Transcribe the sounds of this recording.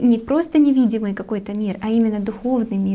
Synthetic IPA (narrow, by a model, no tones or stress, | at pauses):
nʲɪpɾo̞st̪ənʲɪvʲidʲɪmɨjkɐko̞jt̪əmʲirɐimʲɪnːəd̪ʊxo̞vnɨjmʲi